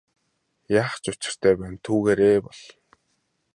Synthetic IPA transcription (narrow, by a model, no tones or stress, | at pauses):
jaːχt͡ɕʊt͡ɕɪ̆r̥t̪ʰæːpæːnt̪ʰuːɣeːɾeːpɔɮ